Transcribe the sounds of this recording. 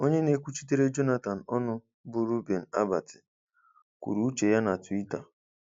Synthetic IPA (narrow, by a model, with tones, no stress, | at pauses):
o˦ɲe˦ne˦kʷu˦t͡ʃi˦t̬e˦ɾe˦d͡ʒo˦na˨ta˨n̩˨ɔ˦nʊ˦ | bʊ˨ɾu˦be˨n̩˨a̰˦ba˨tɪ̥˨ | kʷṵ˨ɾu˦t͡ʃe˨ja˦na˨twi˦ta˨